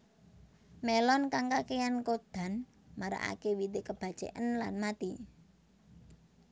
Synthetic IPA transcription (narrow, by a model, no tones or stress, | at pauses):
melɔnkaŋkakejankod̪̥a̤n | maɾa̰ʔa̰kewit̪ekəb̥a̤̥ʒ̥ɛ̰ʔənlanmat̪i